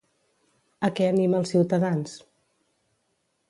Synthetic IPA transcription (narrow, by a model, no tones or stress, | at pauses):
əkɛəniməlˠsːiwt̪əðans